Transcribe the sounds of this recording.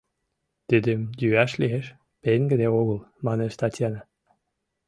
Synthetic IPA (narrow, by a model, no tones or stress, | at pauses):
t̪yd̪emjyæʃlieʃ | peŋɡə̆d̪eoɣə̆lmɑneʃt̪ɑt̪ʲjɑnɑ